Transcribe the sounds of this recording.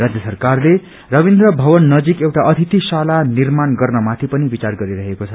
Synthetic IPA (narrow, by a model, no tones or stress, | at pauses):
rad͡zjʌsʌrkarle | rʌbind̪rʌbʱʌbʌnːʌd͡zikewʈaʔʌt̪ʰit̪isalanirmanɡʌrnʌmat̪ʰipʌnibit͡sarɡʌɾiɾʌɦekot͡sʰʌ